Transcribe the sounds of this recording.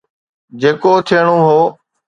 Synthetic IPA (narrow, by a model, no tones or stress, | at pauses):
d͡ʒeːkoːt̪ʰɪɳ̃oːɦoː